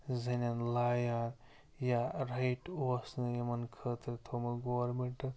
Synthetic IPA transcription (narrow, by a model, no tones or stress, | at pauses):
zɐnʲɐnlaːjaːn | jaɾɐjʈoːsnɨjɐmɐnkʰəːt̪ɾt̪ʰoːmɐɡoːɾmeɳʈɨ